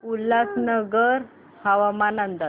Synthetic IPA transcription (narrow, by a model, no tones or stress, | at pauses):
ulat͡snəɡəɾ | haʋamanənd̪a